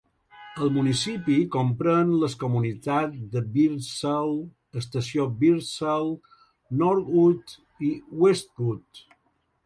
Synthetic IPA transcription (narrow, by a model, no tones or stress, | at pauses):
əlˠmunisipikompɾənləskomunit̪ad̪əbiɾsəl | əst̪əsiobiɾsəl | nɔɾut̪ | iwest̪̚ɣut̪